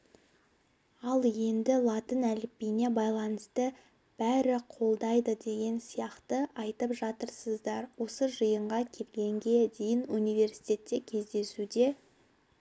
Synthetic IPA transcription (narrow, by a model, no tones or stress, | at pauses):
ɑlˠje̞nd̪ɪlˠɑt̪ənælɪpːijne̞bɑjlˠɑnəst̪ə | b̥æɾɪqʰo̞lˠd̪ɑjd̪əd̪e̞ɡʲe̞nsijɑqt̪əɑjt̪əpʒɑt̪əɾsəzd̪ɑɾwo̞səʒəjəɴʁɑkʲʰe̞pɡʲe̞ŋɡʲe̞d̪e̞jɪnunijve̞ɾsi̥jt̪ʲe̞t̪ːe̞kʲʰe̞zd̪e̞sud̪e̞